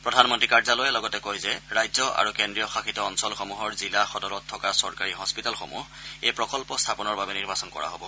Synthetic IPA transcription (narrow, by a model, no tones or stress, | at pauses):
pɹɔdʱanmɔntɹikaɹzalojɛlɔɡɔtɛkojzɛɹajzɔʔa̰ɹukendɹijɔxaxʰitɔːnsɔlxɔmuɦɔɹzilaxɔdɔlɔtʰːɔkasɔɹkaɹiɦɔspitalxomṵh | ejpɹɔkɔlpɔstʰapɔnɔɹbabɛniɹbasɔnkɔ̰ɹa̰ɦobɔ